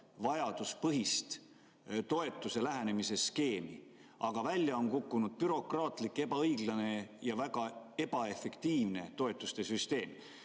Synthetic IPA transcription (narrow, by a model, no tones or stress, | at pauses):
vɑjɑd̪̥uspɤɦist̪ | t̪o̞e̞t̪ːˑuse̞læɦæne̞mise̞ske̞ːmḭ | ʔɑɡ̥ɑvælʲjɑo̞nkukːunud̪̥̚pyɾo̞krɑːt̪ˑlikːˑe̞b̥ɑɤjɡlɑne̞jɑvæɡ̥ɑe̞b̥ɑe̞fe̞kt̪iːvne̞t̪o̞e̞t̪ːˑust̪e̞syst̪e̞ːm